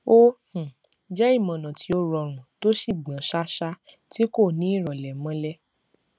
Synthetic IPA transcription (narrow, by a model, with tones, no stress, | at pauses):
o˦hũ˨ | d͡ʒɛ˦i˦˨mɔ̃˨nã˨tʰi˧˦o˧ɾɔ˧˨ɾ̃ũ˨to˦ʃi˦˨ɡ͡bã˨˦ʃa˦ʃa˦ | ti˦ko˦˨nĩ˨˦i˦˨ɾɔ˨lɛ˨mɔ̃˧˦lɛ˦